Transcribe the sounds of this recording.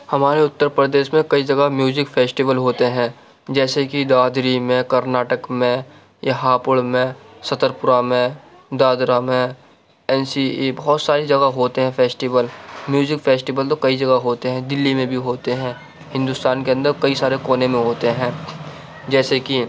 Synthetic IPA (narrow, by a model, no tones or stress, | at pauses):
hɐmaːɾeʊt̪ːəɾpɾəd̪eːʃmẽkɐid͡ʒɐɡamjuːzɪkfʰeːsʈiʋəlɦoːt̪eɦɛ̃ː | d͡ʒɛːsekid̪aːd̪ɾimẽkɐɾnaːʈəkmẽ | jaɦaːpʊɽmẽsɐt̪əɾpʊɾamẽ | d̪aːd̪ɾamẽ | ɛːnsiebɐɦɔːt̪saːɾed͡ʒɐɡaɦoːt̪eɦɛ̃fʰɛːsʈiʋəlmjuːzɪkfeːsʈiʋəlt̪okɐid͡ʒɐɡaɦoːt̪eɦɛ̃d̪ɪlːimẽbʱiɦoːt̪eɦɛ̃ː | hɪ̃nd̪ʊst̪aːnkeɐ̃nd̪əɾkɐisaːɾekoːnẽmẽɦoːt̪eɦɛ̃ː | d͡ʒɛːseki